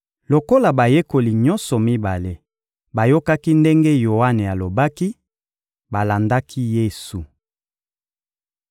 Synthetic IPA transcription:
lo˨ko˦la˨ba˨je˦ko˨li˨ɲɔ̃˦nsɔ˨mi˦ba˨le˨ | ba˨jo˦ka˦ki˦nde˦ŋɡe˦jo˨wa˦ne˨a˨lo˨ba˦ki˦ | ba˨la˨nda˦kʰi˦je˦˨su˨

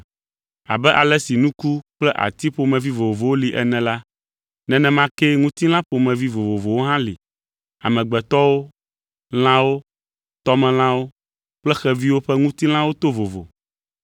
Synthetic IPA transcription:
a̰˨bɛ˦ʔa˨lɛ˦si˨nũ˦ku˦k͡plɛ˦ʔa̰˨t̪i˦ɸo˨mɛ̃˨vi˦vo˨vo˨vo˨wo˦li˨ʔɛ̰˨nɛ̃˨la˦ | nɛ̃˨nɛ̃˨mã˦kɛ˦ŋũ˦t̪i˦l̃ã˦ɸo˨mɛ̃˨vi˦vo˨vo˨vo˨wo˦ɦã˦lḭ˨ | a̰˨mɛ̃˨ɡ͡bɛ˨t̪ɔ˦wo˦ | l̃ã˦wo˦ | t̪ɔ˦mɛ̃˨l̃ã˦wo˦ | k͡plɛ˦xɛ˦vi˦wo˦ɸɛ˦ŋũ˦t̪i˦l̃ã˦wo˦t̪o˦vo˨vo̰˨

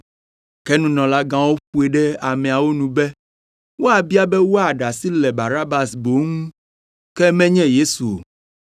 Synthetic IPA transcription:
kɛ˦nũ˦nɔ̃˨la˦ɡã˦wo˦ɸu˦e˨ɖɛ˦a˨mɛ̃˨a˨wo˦nũ˨bɛ˦ | wo˦a˨bi˦a˦bɛ˦wo˦a˨ɖa˨si˦lɛ˨ba˨ɾa˦ba˨sbo˨˦ŋũ˦ | kɛ˦mɛ̃˦ɲɛ̃˦je˦su˨o̰˨

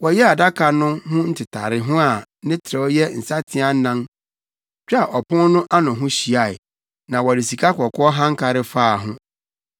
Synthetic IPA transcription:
wɔ˨jɛ˦a˨da˦kʰa˨nʊ̃˦ɦʊ̃˦n̩˦tʰɪ˨tʰa˨ɾɪ˨ɦʊ̃˦a˨nɪ̃˦tʰɪ˨ɾɛ˨ɔ˦jɛ˦n̩˨sa˦tʰɪ̃˦a˦n˦nã˦n | t͡ɕᶣa˨ʔɔ˨pʰʊ̃˦n˦nʊ̃˦ʔa˦nʊ̃˨ɦʊ̃˦ɕi˨a˨ɪ˨ | nã˨wɔ˨di˨si˨kʰa˦kɔ˨kʰʊ˦ɔ˦ɦã˦ŋ˦kʰa˨ɾɪ˦faː˦˨ɦʊ̃˦

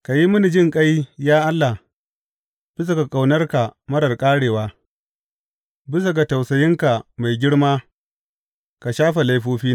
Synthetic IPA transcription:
ka˨ji˦mʊ˦ni˨d͡ʒɪ˦ŋkʼa˦jjaː˦ʔa˦lːa˨h | b̥ɪ˦s̬a˨ka˨kʼa˨wnɐ˦rka˨mɐ˦ɾɐ˨rkʼaː˦ɽeː˨waː˦ | bɪ˦s̬a˨ɡa˨ta˨wsɐ˨jɪ˦ŋka˨ma˨jɡʲɪ˦ɽmaː˦ | ka˨ʃaː˦ɸe˨la˦jɸoː˦ɸiː˦n˨

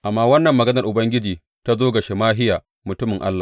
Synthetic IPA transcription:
ʔa˨mːaː˦wɐ˦nːɐ˨mːɐ˨ɡɐ˦nɐ˨rʔʊ˨bɐ˦ŋɡʲɪ˦d͡ʒiː˨ | ta˦zoː˦ɡɐ˨ʃe˨maː˦ɦɪ˦jaː˨ | mʊ˨tʊ˦mɪ˨ŋʔa̰˦lːa˨

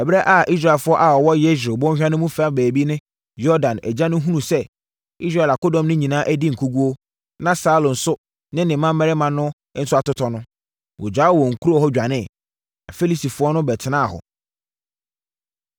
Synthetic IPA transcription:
ɛ˨bɾɛ˦ʔa˦ʔi˦s̬ɾa˨ɛ˨fʊ˦ɔ˦ʔa˨ɔ˨wɔ˦je˦s̬o˨bɔ̃˦ɕᶣã˦nɪ̃˦mũ˦fa˦bæː˨bi˦nɪ̃˦ | jɔ˦dã˨næ̰˨d͡ʑã˦nʊ̃˦ɦũ˦nũ˨sɛ˦ | i˦s̬ɾa˦˨la˨ko˦dɔ̃˨mnɪ̃˦ɲĩ˨nãː˦ʔæ˦di˦ŋ̩˨kʰu˦ɡu˦o˦ | nã˦saː˦lʊ̃˨n̩˨sʊ˦ | nɪ̃˦nɪ̃˨mã˦mː˦ɛ˦ɾɪ˦mã˨nʊ̃˦ | n̩˦sʊ˦a˨tʊ˦tʰɔ˨nʊ̃˦ | wɔ˨d͡ʑᶣa˨˦wɔ˨ŋ̩˨kʰu˦ɾɔ˦hɔ˦d͡ʑᶣa˨nɪ̃˦˨ | a˨fe˦li˦˨sti˨fʊ˨˦ɔ˦nʊ̃˦bɛ˨tʰɪ˨nã˦a˨hɔ̰˨

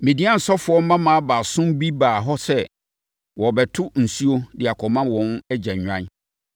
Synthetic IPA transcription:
mĩ˨dĩ˦ã˦n̩˨sɔ˦fʊ˨˦ɔ˦m˦mã˦mã˦a˦baː˨sʊ̃˦mbi˦baː˨ɦɔ˦sɛ˦ | wɔ˨bɛ˨tʰʊ˦n̩˨su˦o˦dɪ˨a˨kʰɔ˨mã˦wɔ̃˨˦nɛ˦d͡ʑa˨ɲᶣ˨ã̰˦n˦

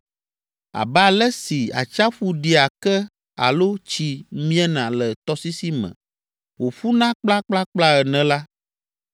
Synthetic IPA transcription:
a̰˨bɛ˦a˨lɛ˦si˨a̰˨t͡ʃa˦ɸu˦ɖi˦a˨kɛ˦ | a̰˨lo˦t͡ɕi˦mĩ˦ɛ˦nã˨lɛ˨t̪ɔ˦si˦si˦mɛ̰̃˨ | wo˨ɸu˦nã˦k͡pla˦k͡pla˦k͡pla˦ɛ˨nɛ̃˨la˦

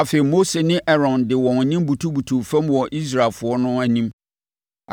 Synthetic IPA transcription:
a˨fe˨i˨mo˦se˨nɪ̃˦ʔɛ˦ɾɔ̃˨ndɪ˨wɔ̃˨n˨ɲĩ˦mbu˨tʰu˦bu˨tʰu˨fæ̃˦mwɔ˨ʔi˦s̬ɾa˨lfʊ˨ɔ˦nʊ̃˦æ˨nĩ˦m

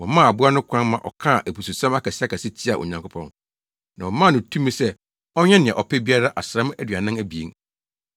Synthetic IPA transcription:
wɔ̃˨mã˦˨a˨bʊ˦a˦nʊ̃˦kʷʰã˦nmã˨ʔɔ̰˨kʰã˦˨ʔæ˨pu˨su˨sã˦ma˦kʰa˨si˦a˦kʰa˨sɪ˦t͡ɕʰi˦a˨ʔo̰˨ɲã˨ŋkʰʊ˦pʰɔ̃˦n | nã˨wɔ˨mã˦˨nʊ̃˨tʰũ˦mĩ˦sɛ˦ | ɔ˦ɲɛ̃˦nɪ̃˨ɛ̃˨ʔɔ˨pʰɛ˦bi˦a˦ɾa˦ʔa˨sɾɛ̃˦m˦æ˦dɥa˨nɪ̃˦æ˦bi˨ḛ˦ŋ

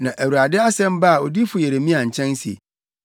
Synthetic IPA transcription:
nã˨ʔæ˨wu˨ɾa˨dɪ˦a˦sɛ̃˦m˦ba˦a˨ɔ˨di˦fʊ˨je˨ɾe˨mĩ˦a˨ɲ̩˨t͡ɕʰɛ̃˦n˦sḭ˨

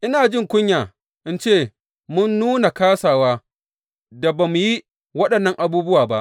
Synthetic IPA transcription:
ʔɪ˦naː˨d͡ʒɪ˦˨ŋkʷʊ˦ɲjaː˨ | ʔɪ˦nt͡ʃeː˦˨ | mʊ˦nːuː˦na˨kaː˦saː˨waː˦ | da˨baː˨mu˨ji˦ | wɐ˦ɗɐ˨nːɐ˦ŋʔa˨buː˦bʊ˦waː˨ba˦ʔ

